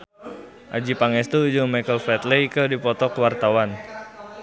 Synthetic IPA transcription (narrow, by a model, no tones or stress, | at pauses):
ʔad͡ʒipaŋɛst̪ud͡ʒumajkəlfɛt̪lekədipɔt̪ɔkəwart̪awan